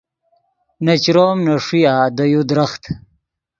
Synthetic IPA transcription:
nat͡ɕɾoːmnaʂijaːd̪əjud̪ɾaχt̪

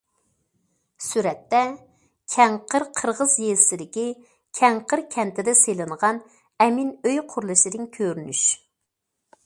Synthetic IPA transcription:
syɾɛt̪ːɛ | kʲʰɛŋqʰəɾqʰəɾʁəzjeɾsɪd̪ɪkʲi | kʲʰɛŋqʰəɾkʲʰɛnt̪ʰɪd̪ɛselˠɨnʁɑn | ɛminøjqʰʊɾlˠɨʃɪd̪ɨŋkʲʰøɾnyʃ

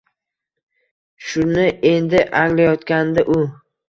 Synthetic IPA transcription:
ʃʊnɪe̞nd̪ɪʔaŋlajɒt̪kʲand̪aʔʊ

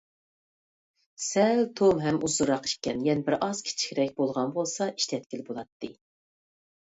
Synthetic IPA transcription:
sɛlt̪ʰomɦɛmuzɨɾɑqi̥ʃkʲɛnjɛnɪbɪɾʔɑz̥kʲʰi̥t͡ʃʰi̥kʲɾɛk̚ʲbolˠʁɑnbolˠsɑʔi̥ʃt̪ʰɛt̪̚kʲilɪbolˠɑt̪ːɨ

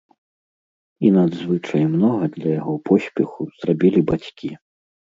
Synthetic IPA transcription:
inɐd̪zvɨt͡ʂɐjmnɔɣɐd̪lʲɐjaɣɔpʰɔsʲpʲɛxuz̥rabʲilʲibat͡sʲkʲi

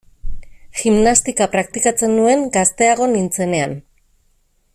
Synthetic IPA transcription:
ximnast̪ikapɾakt̪ikat͡se̞nːue̞ŋɡast̪e̞aɣ̞o̞nint͡se̞ne̞an

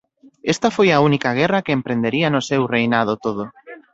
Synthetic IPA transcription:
est̪ɐfojaunikaɣ̞ɛrɐkeempɾẽnd̪eɾiɐnʊsewrejnað̞ot̪oð̞o

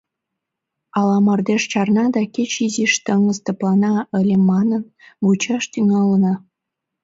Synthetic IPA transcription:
ɑlɑmɑrd̪eʃt͡ɕɑrnɑd̪ɑket͡ɕiziʃt̪əŋəzt̪ə̆plɑnɑəlʲemɑnən | βut͡ɕɑʃt̪yŋɑlənɑ

